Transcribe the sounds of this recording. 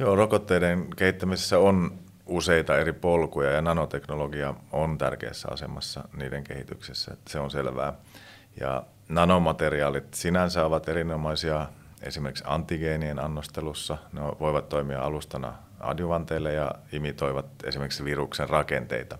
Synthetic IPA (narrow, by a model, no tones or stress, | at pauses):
joːrokot̪ːeidenkehit̪ːæmisesːæon | useit̪ɑeɾipolkujɑjɑnɑnot̪eknoloɡiɑont̪æ̰rkḛːsːæ̰ɑ̰sḛmɑsːɑniːdeŋkḛhit̪yksisːæ̰seonselʋæ̰ː | jɑ̰ | nɑnomɑt̪eriɑːlit̪sinænsɑːʋɑt̪eɾinomɑisiɑ | ḛsimerkiksɑ̰nt̪ːiɡeːnienɑnːost̪elusːɑneoʋoiʋɑt̪toimiɑ̰ɑlust̪ɑnɑ̰ | ɑ̰djuʋɑnt̪eːlːejɑ̰imit̪oiʋɑt̪ḛsimerkiksʋirukserrɑkent̪ḛit̪ɑ